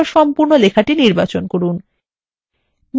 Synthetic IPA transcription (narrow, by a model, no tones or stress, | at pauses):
oʃɔmpuɾnolekʰaʈiniɾbat͡ɕonkoɾun | m